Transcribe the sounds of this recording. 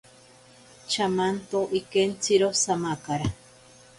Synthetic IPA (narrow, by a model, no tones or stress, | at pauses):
t͡ʃamant̪oʔikent͡siɾosamakaɾa